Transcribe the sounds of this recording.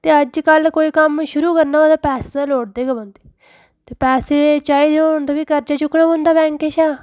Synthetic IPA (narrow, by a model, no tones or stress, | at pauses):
t̪eːəd͡ʒkəlkoːiːkəmʃʊɾuːkəɾnaːod̪aːpɛːseːd̪ãloːʈ̚d̪eːɡəbõnd̪eː | t̪eːpɛːseːt͡ʃaːiːd̪eond̪aːbiːkəɾd͡ʒaːt͡ʃʊkːɽaːbõːnd̪aːbɛ̃ːŋkeːʃaː